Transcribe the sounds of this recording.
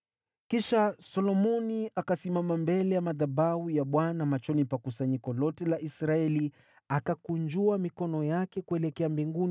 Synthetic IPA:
kiʃasɔlɔmɔniʔakasimamambɛlɛjamaðaɓaujaɓwanamat͡ʃɔnipakusaɲikɔlɔtɛlaʔisɾaɛli | akakuɲd͡ʒuamikɔnɔjakɛkuɛlɛkɛambiŋɡuni

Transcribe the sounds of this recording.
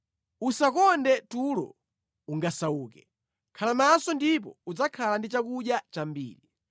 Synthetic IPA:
usakɔndɛtulɔ̰ | uŋɡasauːkɛ | kʰalamasɔndip̬ɔud͡zakʰalandit͡ʃakuɗjat͡ʃambḭːli

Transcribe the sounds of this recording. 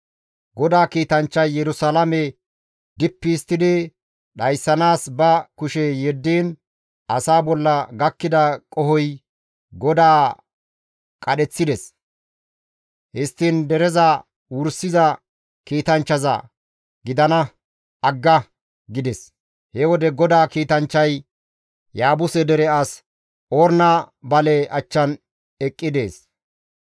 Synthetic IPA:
ɡɔd̪aːkiːt̪ɐnt͡ʃːɐjːɛɾʊsalɐmɛ | d̪ɪpːist̪ːɪd̪ɪ | ɗɐjsːɐnaːsbɐkʊʃɛjɛd̪ːiːn | ɐsaːbɔlːɐɡɐkːɪd̪ɐkʼɔhɔj | ɡɔd̪aː | kʼɐɗɛt͡sːɪd̪ɛs | hɪst̪ːiːnd̪ɛɾɛzɐ | wʊɾsːɪzɐ | kiːt̪ɐnt͡ʃːɐzɐ̰ | ɡɪd̪ɐnɐ | ɐɡːɐ | ɡɪd̪ɛs | hɛwɔd̪ɛɡɔd̪aːkiːt̪ɐnt͡ʃːɐj | jaːbʊsɛd̪ɛɾɛɐs | oːɾnabɐlɛʔɐt͡ʃːɐn | ɛkʼːɪd̪e̞ːs

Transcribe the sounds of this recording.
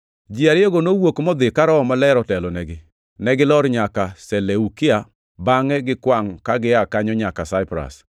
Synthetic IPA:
d͡ʒiaɾɪoɡonowokmɔd̪ɪkaɾɔɔmalɛɾɔtɛlɔnɛɡɪ | nɛɡɪlɔɾɲakasɛleukɪa | baŋɛɡɪkwaŋkaɡɪakaɲɔɲakasaɪpɾa̰s

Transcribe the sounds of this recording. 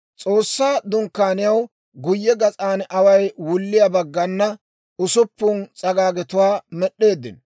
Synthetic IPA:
t͡sʼo̞ːsːaːd̪ʊŋkːaːnɪjɐw | ɡʊjːɛɡɐt͡sʼaːnɐwɐjwʊlːɪjabɐɡːɐnːɐ | ʊsʊpːʊnt͡sʼɐɡaːɡɛt̪ʊwaːmɛɗːe̞ːd̪ːɪ̰n

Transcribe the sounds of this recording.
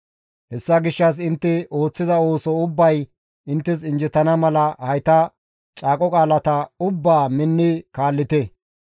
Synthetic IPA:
hɛsːɐɡɪʃːɐs̬ɪnt̪ːɪo̞ːt͡sːɪzɐo̞ːsɔʊbːɐj | ɪnt̪ːɪs̬ɪnd͡ʒɪt̪ːɐnɐmɐlɐhɐjt̪ɐ | t͡ʃʼaːkʼɔkʼaːlɐt̪ɐʊbːaːmɪnːɪkaːlːɪt̪ɛ

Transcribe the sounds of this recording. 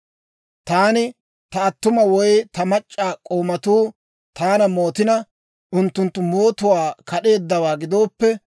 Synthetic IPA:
t̪aːnɪ | t̪ɐɐt̪ːʊmɐwɔjt̪ɐmɐt͡ʃʼːaːkʼoːmɐt̪uː | t̪aːnɐmo̞ːt̪ɪnɐ | ʔʊnt̪ːʊnt̪ːʊmoːt̪ʊwaːkɐɗe̞ːd̪ːɐwaːɡɪd̪o̞ːpːɛ

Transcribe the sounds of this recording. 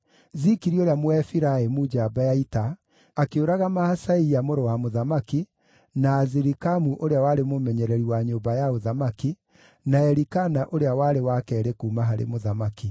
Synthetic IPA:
zikiɾioɾjamwɛfiɾaemud͡ʒabajaita | akeoɾaɣamahasaiamoɾowamoðamaki | naːziɾikamuʔoɾeawaɾemomɛɲɛɾɛɾiwaɲoːbajaoðamaki | naɛɾikanaʔoɾeawaɾewakɛːɾekuːmaɦaɾḛmoðamaki

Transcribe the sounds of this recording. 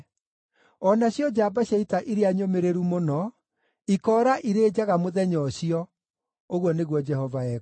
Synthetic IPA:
ɔnaɕjɔd͡ʑaːbaɕaitaʔiɾeaɲomeɾeɾumonɔ | ikɔːɾaʔiɾeːd͡ʒaɣamoðɛɲɔɕiɔ | oɣwɔneɣwɔd͡ʒɛhɔvaɛ

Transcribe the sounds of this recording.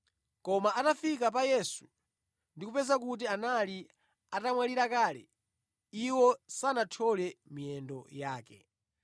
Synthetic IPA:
kɔmaʔatafik̬ap̬ajɛsu̥ | ndikupɛzak̬ut̬ianali | atamwaliɾakaːlɛ̰ | iwɔsanatʰɔlɛmiɛndɔjaːkɛ̰

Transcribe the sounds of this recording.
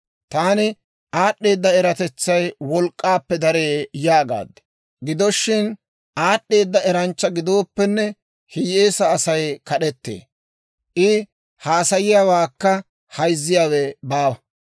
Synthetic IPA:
t̪aːnɪ | ʔaːɗːe̞ːd̪ːɐɛɾɐt̪ɛt͡sːɐjwɔlkʼːaːpːɛd̪ɐɾeːjaːɡa̰ːd̪ː | ɡɪd̪ɔʃːɪn | ʔaːɗʔːe̞ːd̪ːɐɛɾɐnt͡ʃːɐɡɪd̪o̞ːpːɛnːɛ | hɪjeːsɐːsɐjkɐɗɛt̪ːḛː | ʔɪ | haːsɐjɪjaːwaːkːɐ | hɐjzːɪjaːwɛbaːwɐ

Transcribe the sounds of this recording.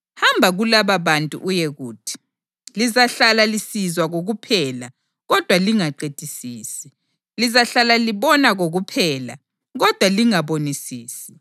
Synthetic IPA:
hambʱaɣulaβaβantʼṵʔujeɣuːtʰi̥ | lizaɬalalisizwaɣoɣupʰɛːla | ɣɔd̥ʱwaliŋaǃed̥ʱisiːsi̥ | lizaɬalaliβɔnaɣoɣupʰɛːla | ɣɔd̥ʱwaliŋaβonisiːsi̥

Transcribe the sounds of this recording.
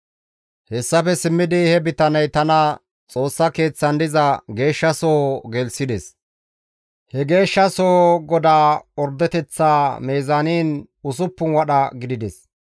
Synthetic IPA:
hɛsːɐpɛsɪmːɪd̪ɪhɛbɪt̪ɐnɐjt̪ɐnɐ | t͡sʼo̞ːsːɐke̞ːt͡sːɐnd̪ɪzɐɡe̞ːʃːɐsoːɡɛlsɪd̪ɛs | hɛɡe̞ːʃːɐsoːɡɔd̪aːɔɾd̪ɛt̪ɛt͡sːaːme̞ːzaniːn | ʊs̬ʊpːʊnwɐɗɐɡɪd̪ɪd̪ɛs

